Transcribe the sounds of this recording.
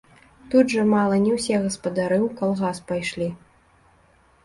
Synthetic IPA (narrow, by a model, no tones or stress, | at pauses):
t̪ud̪ʐɐmalˠɐnʲɛwsʲɛɣɐspɐd̪aɾɨukalˠɣaspajʂlʲi